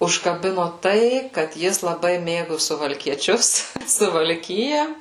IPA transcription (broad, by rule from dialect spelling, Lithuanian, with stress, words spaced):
ʊʃkɐˈbʲɪnoː ˈtɐɪ kɐt ˈjɪs lˠɐˈbɐɪ ˈmʲeːɡʊ sʊʋɐlʲkʲiɛˈt͡ʃʲʊs sʊʋɐlʲˈkʲɪjɛ